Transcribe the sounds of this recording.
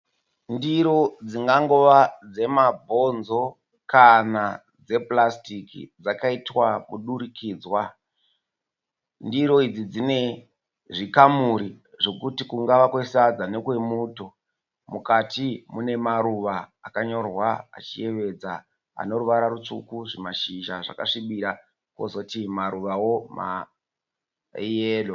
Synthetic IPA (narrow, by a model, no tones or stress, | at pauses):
ndiɾo̞d͡ziŋɡaŋɡo̞ʋad͡ze̞mabʱo̞nzo̞ | kana | d͡ze̞plastikḭd͡zakaitwamuɗuɾikiːd͡zwa | ndiɾo̞id͡zid͡zine̞ | ʐikamuɾi | ʐo̞kutikuŋɡaʋakwesad͡zanekwe̞muːto̞ | mukatimune̞maɾuʋaːkaɲo̞rwaa̰t͡ʃḭe̞ʋe̞d͡za | a̰no̞ɾuʋaɾaɾut͡ʂukuʐimaʃiʒaʐa̰ka̰ʂiɓiɾa | kwozo̞timaɾuʋawo̞ma̰ | ijeːlo